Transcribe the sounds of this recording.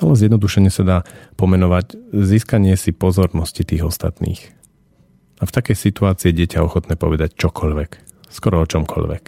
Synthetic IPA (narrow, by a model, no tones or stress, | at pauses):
alɛzjɛd̪nɔd̪uʃɛɲɪɛsad̪aːpɔmɛnɔʋacziːskaɲɪɛsipɔzɔɾnɔscit̪iːɣɔst̪a̰t̪nḭːx | aft̪akɛjsit̪uaːt͡siːɛɟɪɛcaɔxɔt̪nɛːpɔʋɛd̪act͡ʃɔkʰɔʎʋɛk | skɔɾɔɔt͡ʃɔmkʰɔ̰ʎʋɛ̰k